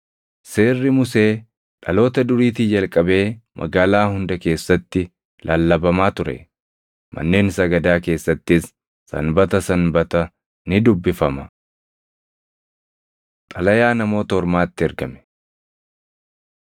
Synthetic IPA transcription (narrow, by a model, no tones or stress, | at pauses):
se̞ːrːɪmʊse̞ː | ᶑɐlo̞ːt̪ɐd̪ʊɾiːt̪id͡ʒɐlkʼɐbe̞ːmʔɐ̰ɡaːlaːhʊnd̪ɐke̞ːsːɐt̪ːɪ | lʔaːlːɐbɐmaːt̪ʊɾɛ̰ | mʔɐ̰nːe̞ːnsɐɡɐd̪aːke̞ːsːɐt̪ːɪs | sɐ̰nbɐt̪ɐsɐnbɐt̪ɐ | nɪd̪ʊbːɪfɐmɐ | t̪ʼɐlɐjaːnɐmo̞ːt̪ɐhɔɾmaːt̪ːɪɛɾɡɐmɛ̥